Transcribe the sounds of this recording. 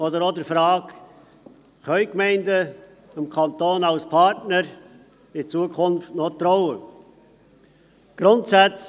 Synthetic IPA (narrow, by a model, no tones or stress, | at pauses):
odəɾodəfɾɑːk | χœʏkmɛɪndə | ɪmkʰɑnt̪oːnaʊspʰɑɾtnəɾ | ɪt͡suəkʰʊnftnot̪ɾɔʊə | ɡ̥ɾʊntsæt͡s